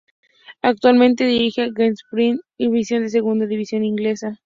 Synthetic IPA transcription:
ak̚t̪walmẽnt̪eðiɾixeaɣenspɾiniβisjo̞nd̪es̬e̞ɣund̪aðiβisjo̞niŋɡle̞sa

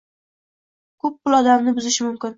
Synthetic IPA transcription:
kʰɵp̚ːʊlˠɒd̪amnɪbʊzɪʃɪmʊmkʲɪn

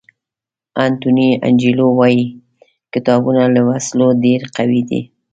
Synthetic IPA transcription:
ant̪unia̰nd͡ʒilowɑji | kɪt̪ɑbunalawaslodeɾqawid̪ḭ

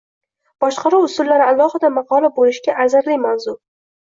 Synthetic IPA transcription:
b̥ɒʃqɑɾuwʊsʊlːaɾɪalˠɒhɨd̪amɑqɒlabolɪʃɡʲaʔazaɾlɪjmawzʊɾ

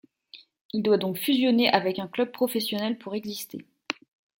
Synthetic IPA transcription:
ild̪wad̪ɔ̃kfyzjɔneʔavɛkɛ̃klœb̚pχɔfɛsjɔnɛlpʰuʁɛɡzist̪ḛ

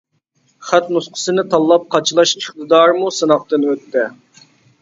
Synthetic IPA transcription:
χæt̪nusqʰə̥sɨnɪt̪ʰɑlˠːɑp̚qʰɑt͡ʃʰlˠɑʃiχt̪ɨd̪ɑɾmusɨnɑq̚t̪ɨnøt̪ːɛ

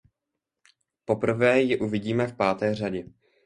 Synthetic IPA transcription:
po̞pr̩vɛːjɪʔuvɪɟiːmɛfpaːt̪ɛːr̝aɟɛ

